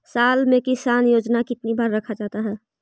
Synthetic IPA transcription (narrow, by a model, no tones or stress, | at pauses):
saːlmẽkɪsaːnjoːd͡ʒnakɪt̪nibaːɾːɐkʰad͡ʒaːt̪aɦɛː